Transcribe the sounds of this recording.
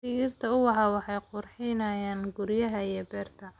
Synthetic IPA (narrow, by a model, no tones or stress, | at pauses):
ɪɣɪrt̪ʰɐʊwɑɦaːwɑħɑjqʊrħɪnɐːjaːnɡʊɾjɐɦɐijɔbɛːrt̪ʰɐ